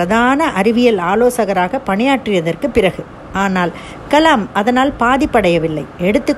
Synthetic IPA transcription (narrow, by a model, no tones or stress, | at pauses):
ɐðaːnɐʔɐɾɪʋɪjɐlaːloːsɐɣɐɾaːɣɐpɐɳɪjaːʈrɪjɐðɐrkɯpːɪɾɐɣɯ | aːnaːl | kɐlɐmɐðɐnaːlpaːðɪpːɐɽɐjɐʋɪlːɐɪɛɽɯt̪ːɯ